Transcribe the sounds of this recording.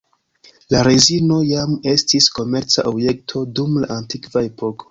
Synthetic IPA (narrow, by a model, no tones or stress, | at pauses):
laɾezino̞jame̞stisko̞me̞ɾt͡saʔobje̞k̚tʰo̞dumla̰antikvae̞po̞ko̞̥